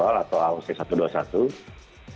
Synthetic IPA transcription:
alat̪oauŋsɛsat̪uduasa̰t̪u

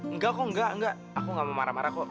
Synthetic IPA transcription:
ŋ̩ɡakɔŋ̩ɡaŋ̩ɡa | akɔŋɡamama̰ɾamaɾakɔ

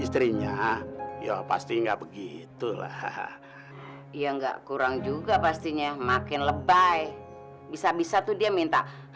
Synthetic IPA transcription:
ist̪ɾiɲajapa̰st̪iŋɡaʔbəɡit̪ula̰h | ijaŋɡa̰ʔkuɾaŋd͡ʒuɡapast̪iɲamakɪnləbaj | bisabisat̪udiamint̪a

